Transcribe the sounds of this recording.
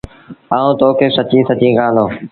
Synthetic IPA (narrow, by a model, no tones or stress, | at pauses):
aːũːt̪oːkeːsət͡ʃĩːsət͡ʃĩːɡãːnd̪oː